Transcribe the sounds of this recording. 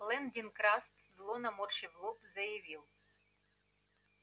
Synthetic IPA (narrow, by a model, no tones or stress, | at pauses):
lˠɛnd̪ʲinkɾɑst̪zlˠɔnɐmɔrʃɪʋlˠɔpzɐjɐʋʲilˠ